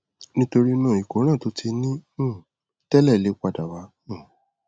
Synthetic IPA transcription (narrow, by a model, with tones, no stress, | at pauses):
nĩ˦to˧ɾi˦nãː˦˨i˨ko˨˦ɾ̃ã˦˨to˨˦tʰi˧nĩ˦˨ | tɛ˦lɛ˦˨le˨˦k͡pa˦˨da˨wa˨˦ | ũ˦˨